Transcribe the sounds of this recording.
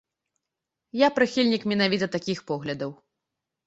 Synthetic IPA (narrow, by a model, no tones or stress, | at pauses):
japɾɨxʲilʲnʲikmʲɛn̪avʲit̪ɐt̪akʲixpɔɣlʲɐd̪ɐw